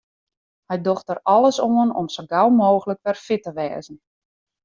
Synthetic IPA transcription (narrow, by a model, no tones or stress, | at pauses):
hɛjdoxtərɔləsoənɔ̰msəɡawmoːɣələkʋɛrfɪtəʋɛ̰ːzən̩